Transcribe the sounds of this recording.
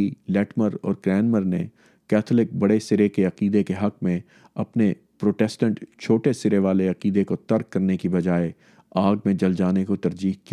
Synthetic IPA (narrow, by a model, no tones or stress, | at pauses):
ilɛːʈməɾɔ̰ːɾɡɾɛːnməɾne | kɛːt̪ʰlɪk̚bɐɽesɪɾekeɐqiːd̪ekeɦɐq̚mẽ | ɐpne | pɾoːʈɛːsʈə̃ɳʈt͡ʃʰoːʈesɪɾeʋaːleɐqiːd̪ekot̪ɐɾkːɐɾnekibɐd͡ʒaːe | aːɡ̚mẽd͡ʒɐld͡ʒaːnekot̪ɐɾd͡ʒiːɦki